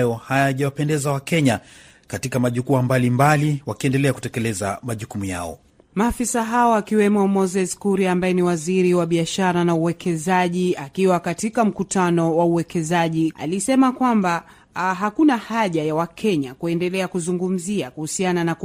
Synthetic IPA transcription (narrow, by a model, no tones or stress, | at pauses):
jɔhajaʄawapɛndɛzawakɛɲa | katikamaʄukuambalimbaliwakiɛndɛlɛaku̥tɛkɛlɛza̰maʄukumuja̰ɔ̰ | maːfisaɦaɔakiwɛmɔmɔzɛskuɾiambajɛniwaziɾiwaɓiaʃaɾanauwɛkʰɛzaʄiakiwakatikam̩kutʰanɔwauwɛkɛzaʄia̰lisɛmakwamba | ɦakunahaʄajawakʰɛɲakuɛndɛlɛakuzuŋɡum̩ziakuhusianana